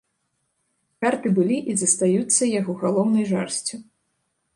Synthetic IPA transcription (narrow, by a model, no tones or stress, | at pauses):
kart̪ɨbɨlʲiʔizɐst̪ajut̪sːɐjaɣɔɣalˠɔwnɐjʐarsʲt͡sʲu